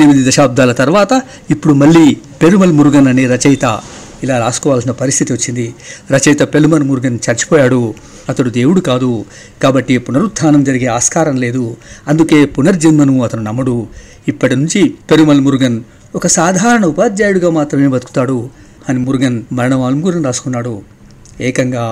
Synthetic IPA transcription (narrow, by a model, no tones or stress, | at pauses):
nimid̪id̪ɐʃaːb̚d̪ʱaːlɐt̪ɐɾʋaːt̪ɐ | ipːuɽumɐɭːiː | pe̞ɾumɐlmuɾɡɐnɐneːɾɐt͡ʃɐjt̪ɐ | ilaːɾaːsu̥kɔːʋaːlsinɐpɐɾist̪ʰit̪iʋɐt͡ʃːind̪iɾɐt͡ʃɐjt̪ɐpe̞lumɐnmuɾɡɐnt͡ʃɐɾt͡ʃi̥pɔːjaːɽu | ɐt̪ɐɽud̪e̞ːwuɽukaːd̪u | kaːbɐʈːipunɐɾust̪ʰːaːnɐmd͡ʒɐɾiɡe̞ːaːskaːɾɐnle̞ːd̪uɐnd̪uke̞ːpunɐɾd͡ʒɐnmɐnuɐt̪ɐnunɐmːɐɽu | ipːɐʈinuɲt͡ʃipe̞ɾumɐlmuɾɡɐn | ɔkɐsaːd̪ʱaːɾɐɳɐupaːd̪d͡ʒaːjuɽuɡaːmaːt̪ɾɐme̞ːbɐd̪u̥ku̥t̪aːɽu | ɐnimuɾuɡɐnmɐɾɐɳɐʋaːlɐmɡuɾɐnɾaːsu̥kunːaːɽu | ɛːkɐŋɡaː